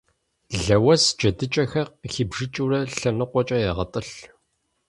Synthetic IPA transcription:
ɮɐwɐsd͡ʒɐdɨt͡ʃʼɐxɐrxiːbʒɨt͡ʃʼurɐɬɐnɨqʷɔt͡ʃʼɐjɛʁɐtʼɨɬ

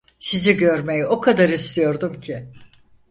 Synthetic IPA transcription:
siziɟøɾme̞jio̞kʰad̪aɾist̪ʰijo̞ɾd̪umcʰɪ

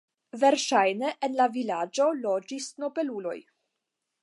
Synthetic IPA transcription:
ve̞ɾʃajneʔenlavilad͡ʒo̞lo̞d͡ʒisno̞be̞lulo̞̰j

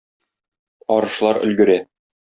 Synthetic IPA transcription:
ɒɾɤ̆ʃlˠɑɾɵ̰̆lɡɘ̆ɾæ

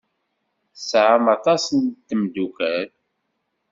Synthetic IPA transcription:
sʕəmɑt̪ˤɑsənt̪ːəmd̪ukæɾ

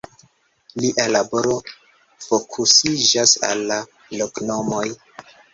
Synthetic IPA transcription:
liʔalabo̞ɾo̞ | fo̞kʰusid͡ʒasa̰lːa | lokno̞mo̞j

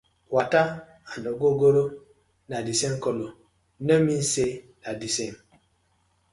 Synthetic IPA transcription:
wata | anɔɡoɡoɾo | nadisemkɔlo | nəmin̩se | nadisem

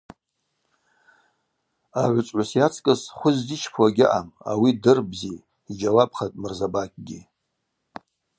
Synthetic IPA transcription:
aʕʷʊt͡sʼʕʷasjat͡sʰkʼɨsχʷʊzdit͡ʃʰpʰwaɡʲɪʔa̰ma̰widɨrbzi | id͡ʒawap̚ʰʼχatʼmɨrzabakʲʼɡʲɪ

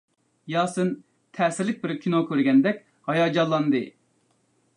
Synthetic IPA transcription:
jɑːsɨn | t̪ʰɛːsɪɾlɪk̚ʲbɪɾkʲʰinokʲʰøɾɡʲɛnd̪ɛkʲ | hɑjɑːd͡ʒɑlˠːɑnd̪ɨ

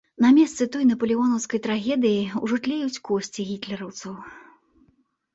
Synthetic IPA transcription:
nɐmʲɛst̪sɨt̪ɔjnɐpɐlʲiɣɔnɐwskɐjt̪ɾaɣʲɛd̪ɨjiṵʐɨt̪lʲɛjut͡sʲkɔsʲt͡sʲiɣʲit̪lʲɛɾɐwt̪sɐw

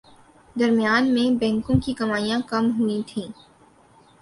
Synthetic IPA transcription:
d̪ɐɾmijaːnmẽbɛ̃ːŋkõkiɡɐmaːijãkɐmɦʊit̪ʰĩː

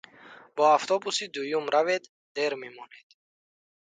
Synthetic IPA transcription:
b̥ɔaft̪ʰɔbusid̪ujumɾaved̪ | d̪e̞ɾmemɔned̪̥

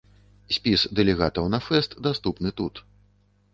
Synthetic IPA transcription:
sʲpʲisd̪ɛlʲɛɣat̪ɐwnɐfɛst̪d̪ast̪upnɨt̪ut̪

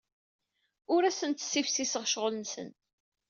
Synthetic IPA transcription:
ʊɾæsənt̪sifsisəʁʃʁəlnsə̰n

